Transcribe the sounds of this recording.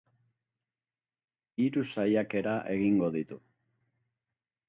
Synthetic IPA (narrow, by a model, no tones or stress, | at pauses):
iɾusajake̞ɾaʔe̞ɣiŋɡo̞ðit̪u